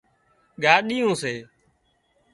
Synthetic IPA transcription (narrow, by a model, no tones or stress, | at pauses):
ɡaːɗiːũːseː